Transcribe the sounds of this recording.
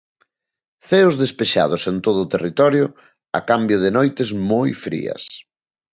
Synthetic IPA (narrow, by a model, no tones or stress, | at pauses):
θeʊzðespeʃa̰ðʊsent̪oð̞ʊːt̪erit̪ɔɾjʊ | a̰kambjʊð̞ɪnojt̪ɪzmojfɾḭɐ̰s